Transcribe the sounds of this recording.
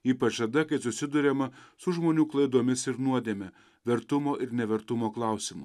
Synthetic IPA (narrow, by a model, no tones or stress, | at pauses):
iːpɐt͡ʃɐd̪ɐkɐɪsʊsʲɪd̪ʊɾʲɛmɐsʊʒmoːnʲuːklˠɐɪd̪oːmʲɪsɪɾnuɔd̪ʲeːmʲɛ | ʋʲɛɾt̪ʊmoːʔɪɾnʲɛʋʲɛɾt̪ʊmoːklˠɑˑʊsʲɪmʊ